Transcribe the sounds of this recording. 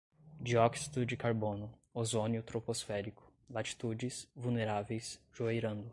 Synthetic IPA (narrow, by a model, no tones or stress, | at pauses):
d͡ʒiɔksi̥d̪ʊd͡ʒɪkaɾbõnʊozonjʊt̪ɾoposfɛɾikʊ̥lat͡ʃi̥t̪ud͡ʒɪsvulneɾavejsʒ̥uejɾɐ̃nd̪ʊ